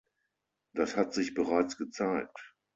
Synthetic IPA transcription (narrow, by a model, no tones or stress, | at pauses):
d̥ashatz̥ɪçb̥əʁaɪt͡sɡ̥ət͡saɪk̚t